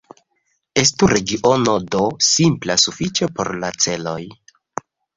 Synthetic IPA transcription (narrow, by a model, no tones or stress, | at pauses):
e̞stuɾe̞ɡiʔonodo̞simplasufit͡ʃe̞po̞̰ɾlat͡se̞lo̞j